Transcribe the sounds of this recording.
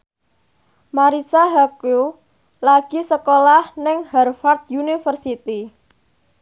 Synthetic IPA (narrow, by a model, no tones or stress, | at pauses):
maɾisaɦaku | laɡ̥isəkolahnɪŋhɛrfard̪̚junifərsit̪i